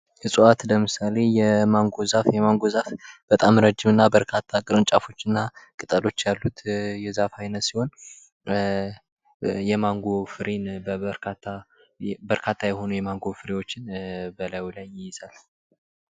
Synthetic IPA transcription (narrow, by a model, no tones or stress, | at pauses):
hɨsʼuat̪ləmɨsale̞jɛmaŋɡo̞zafjɛmaŋɡo̞zafb̥ət̪ʼamɾəd͡ʒɪmɨnːabəɾkʰat̪ʰːakʼɨɾɨnt͡ʃʼafo̞t͡ʃːɨnːakʼɨt̪ʼəlo̞t͡ʃːjalːut̪jɛzafajnət̪siho̞n | jɛmaŋɡo̞fɨɾenbəɾkʰat̪ʰːa | bəɾkʰat̪ʰːajɛho̞nujɛmaŋɡo̞fɨɾewo̞t͡ʃːɪnbəlawlajːɪjɪz̥al